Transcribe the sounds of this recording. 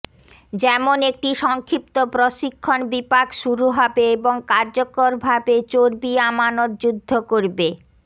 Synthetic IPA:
d͡ʑɛmonek̚ʈiʃɔŋkʰɾip̚t̪opɾoʃikʰːonbipakʃuɾuɦɔbeeboŋkaɾd͡ʑokoɾbʱabet͡ɕoɾbiamanot̪̚d͡ʑud̪ʱːokoɾbe

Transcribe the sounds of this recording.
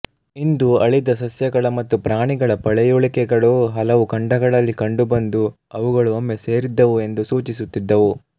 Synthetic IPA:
ind̪uɐɭid̪ɐs̬ɐsjɐɡɐɭɐmɐt̪ːupɾaːɳiɡɐɭɐpɐɭɛjuɭikɛɡɐɭoːɦɐlɐʋukɐɳɖɐɡɐɭɐlːikɐɳɖubɐnd̪u | ɐʋuɡɐɭuɐmːese̞ːɾid̪ːɐʋue̞nd̪usuːt͡ʃisut̪ːid̪ːɐʋu

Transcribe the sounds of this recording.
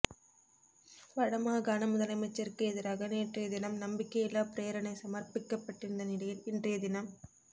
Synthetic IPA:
ʋɐɻɐmaːɡaːnɐmʊðɐlɐmɐɪt͡ʃːɐɾkɯɛðɪɾaːɣɐneːʈrɐjɐðɪnɐmnɐmbɪkːɐjɛlːaːpɪɾeːɐɾɐnɐɪsɐmɐrpɪkːɐpːɐʈːɪnd̪ɐnɪɽɐjɪlɪndrɐjɐd̪ɪnɐm

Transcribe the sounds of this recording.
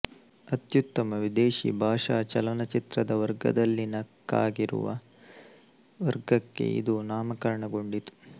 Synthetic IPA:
ɐt̪jut̪ːɐmɐʋid̪eːʃḭbʱaːʂaːt͡ʃɐlɐnɐt͡ʃit̪ɾɐd̪ɐʋɐɾɡɐ̰d̪ɐlːinɐkːa̰ːɡiɾṵʋɐ̰ | ʋɐɾɡɐkːe̞̰ḭd̪unaːmɐkɐɾɐɳɐɡo̞ɳɖit̪u̥

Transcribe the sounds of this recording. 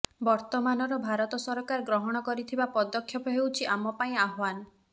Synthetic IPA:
bɔɾt̪ɔmanɔɾɔbʱaɾɔt̪ɔsɔɾɔkaɾɔɡɾɔɦɔɽ̃ɔkɔɾit̪ʰibapɔd̪ɔkʰːjɔpɔɦewt͡ʃʰiʔamɔpaĩaɦwan

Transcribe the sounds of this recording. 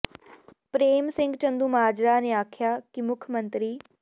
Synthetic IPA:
pɾeːmsɪ̃ŋɡt͡ʃə̃nd̪uːməɦaːd͡ʒɾaːneːaːkʰjaːkɪmʊkʰmənt̪ɾiː

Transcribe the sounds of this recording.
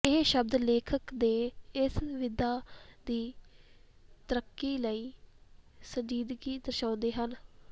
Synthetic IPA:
ɪɦʃəb̚d̪leːkʰəkd̪eːɪsʋɪd̪aːd̪iː | t̪əɾəkːiːləiː | səɲd͡ʒiːd̪ɡiːd̪əɾʃãːnd̪eːɦən

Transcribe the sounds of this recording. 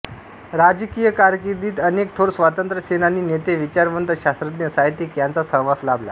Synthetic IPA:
ɾad͡ʑkijəkaɾjəkiɾd̪iːt̪ənek̚t̪ʰoɽsʋat̪ənt̪ɾəsenaniːnet̪eʋit͡ɕaɾmənt̪əɕast̪ɾət̪njəsaɦjt̪iːkjant͡sasə̃ɦʋaslabla̰

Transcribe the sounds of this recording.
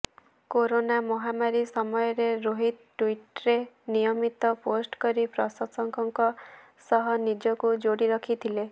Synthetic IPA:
koɾonamɔɦamaɾisɔmɔjɔɾeɾoɦid̪̚ʈwiʈɾe | nijɔmit̪ɔposʈkɔɾipɾɔsɔsɔŋkɔŋkɔ | sɔɦɔnid͡ʒɔkud͡ʒoɽiɾɔkʰit̪ʰile

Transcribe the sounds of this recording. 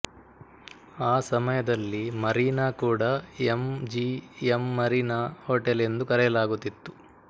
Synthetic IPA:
aːsɐmɐjɐd̪ɐlːimɐɾinaːkuːɽɐemd͡ʒiemːɐɾinahoːʈele̞nd̪ukɐɾɛjɐlaːɡut̪ːit̪ːu

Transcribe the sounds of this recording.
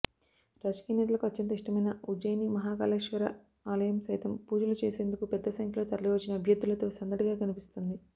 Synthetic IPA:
ɾaːd͡ʒɐ̥kiːjɐnɛːt̪ɐlɐkuɐtːɐnt̪ɐiʂʈɐmɐjnɐud͡ʒɐjnimɐɦaːka̰ːleːʂʋɐɾɐ̰ | aːlɐjɐmsɐjt̪ɐmpuːd͡ʒɐlut͡ʃeːse̞ːnd̪ukupɛd̪ːɐsɐŋkʰjɐloːt̪ɐɾɐliʋɐt͡ʃːinɐːbʱjɐd̪ːulɐt̪o̞ːsɐnd̪ɐʈiɡaːkɐnipist̪ond̪i

